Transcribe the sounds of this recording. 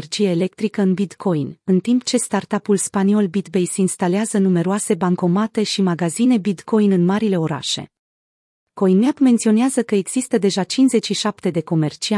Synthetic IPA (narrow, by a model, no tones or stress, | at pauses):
rd͡ʒijeːle̞k̚t̪ɾikəɨnbit̪kʰo̞jnɨnt̪impt͡ʃe̞st̪art̪apulspanio̞lbit̪be̞jseinst̪aleazənume̞ɾoase̞baŋko̞mat̪e̞ʃimaɡazine̞bit̪ko̞jnɨnmaɾile̞o̞ɾa̰ʃe̞̰ | ko̞jnmabme̞nt̪sio̞neazəkəe̞ɡz̥ist̪əd̪e̞ʒat͡ʃinze̞t͡ʃʃiʃapt̪e̞d̪e̞ko̞me̞rt͡ʃia